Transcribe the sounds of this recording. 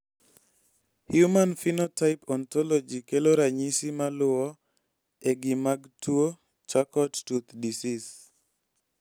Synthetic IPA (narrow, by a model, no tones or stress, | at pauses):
hjumanfinotaɪpɔnt̪ɔlɔd͡ʒikeloɾaɲisimalʊɔ | eɡimaɡtuo | t͡ʃakɔttut̪disis